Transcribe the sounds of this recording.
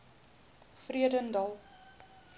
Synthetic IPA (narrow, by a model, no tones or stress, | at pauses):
friədəndɐlˠ